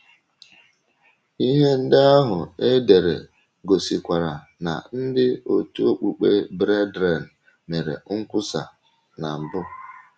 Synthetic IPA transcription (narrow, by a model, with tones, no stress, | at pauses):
i˦ɦe˦n̩˦dɪ˦a˦ɦʊ˨e˦de˨ɾḛ˨ | ɡo˨si˨kʷa˨ɾa˨ | na̰˨n̩˦dɪ˦o˨tu˦o˦k͡pu˨k͡pḛ˦bɾe˦dɾe˨n̩˨ | me˨ɾḛ˨ŋ̩˦kʷʊ˦sa̰˨ | na˨m̩˨bʊ˦